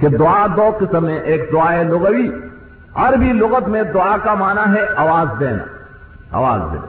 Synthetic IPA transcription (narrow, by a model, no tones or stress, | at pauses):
ked̪ʊad̪oːqɪsəmːẽʔeːk̚d̪ʊaːelʊɣəwi | ɐɾbʱilʊɣət̪mẽd̪ʊakamaːnaɦɛʔɐʋaːzd̪eːna̰ | a̰ʋa̰ːzd̪ḛːn